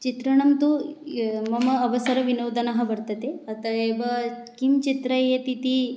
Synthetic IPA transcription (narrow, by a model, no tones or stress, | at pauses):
t͡ʃit̪ɾɐɳɐmt̪u | mɐmɐːʋɐsɐɾɐʋinɐːd̪ɐnɐɦɐ̆bɐɾt̪ɐt̪eɐt̪ɐeːʋɐkimt͡ʃit̪ɾɐjet̪it̪i